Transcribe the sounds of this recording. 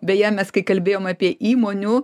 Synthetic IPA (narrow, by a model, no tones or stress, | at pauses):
bʲɛjæmʲɛskɐɪkɐlʲbʲeːjoːmɑpʲiɛʔiːmoːnʲʊ